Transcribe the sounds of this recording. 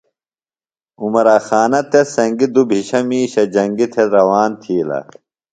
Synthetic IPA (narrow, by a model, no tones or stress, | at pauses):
umɐɾaxaːnɐt̪ʰesɐŋɡid̪ubʱiɕɐmiːɕɐd͡ʑɐŋɡit̪ʰeɾɐwaːnt̪ʰiːlɐ̰